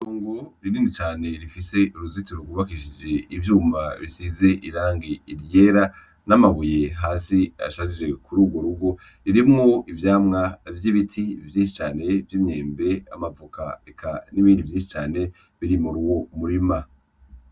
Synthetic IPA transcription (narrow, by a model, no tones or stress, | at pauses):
oːŋɡoɾiniːndit͡ʃaːne̞ɾifise̞uɾuzitiɾoɡuβakiʃid͡ʒe̞ivjuːmaβisize̞ʔiɾaːŋɡiiɾje̞ːɾa | namaβuje̞ɦaːsia̰ʃazid͡ʒe̞kuɾuːɡwo̞ɾuɡo̞ | ɾiɾimŋoivjaːmŋavjiβitʰivjiːʃi̥t͡ʃaːne̞vjimɲeːmbe̞a̰mavuka̰ekʰaniβiːndivjiːnʃi̥t͡ʃaːne̞ | βiɾimuɾuwo̞muɾima